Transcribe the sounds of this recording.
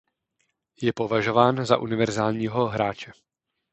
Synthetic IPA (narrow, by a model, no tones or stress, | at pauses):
jɛpo̞vaʒo̞vaːnza̰ʔunɪvɛɾzaːlɲiːɦo̞ɦɾaːt͡ʃɛ